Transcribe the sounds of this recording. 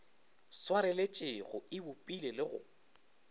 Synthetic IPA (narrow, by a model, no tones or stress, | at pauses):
swaɾɛlet͡ʃʼɪɣʊɪbʊpʼilelɪɣʊ̰